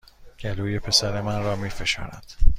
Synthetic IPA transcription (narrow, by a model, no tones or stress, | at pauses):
ɟ̥æluːje̞pʰe̞sæɾe̞mænɾɒːmiːfe̞ʃɒ̰ːnæ̰d̪̥